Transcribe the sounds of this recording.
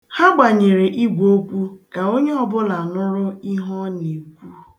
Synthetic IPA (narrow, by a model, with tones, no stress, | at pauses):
ha˦ɡ͡ba˨ɲe˨ɾe˨ʔi˦ɡʷo˦kʷu˦ka˨o˦ɲe˦ɔ˦bʊ˦la˨nʊ˦ɾʊ˦i˦ɦɔ˦ne˨kʷu˦